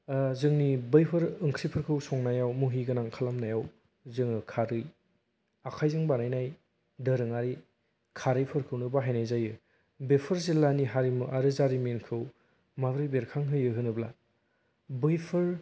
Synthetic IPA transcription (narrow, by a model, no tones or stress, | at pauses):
zɯŋnibɯjpʰɯɾɯŋkʰɾipʰɯɾkʰɯwsɔŋnajawmuɦiɡɯnaŋkʰalamnajaw | zɯŋɯkʰaɾɯj | akʰajzɯŋbanajnaj | dɯɾɯŋaɾi | kʰaɾɯjpʰɯɾkʰɯwnɯbaɦajnajzajɯ | bepʰɯɾzilːaniɦaɾimɯʔaɾɯzaɾimenkʰɯw | mabɾɯjbeɾkʰaŋɦɯjɯɦɯnɯbla | bɯjpʰɯɾ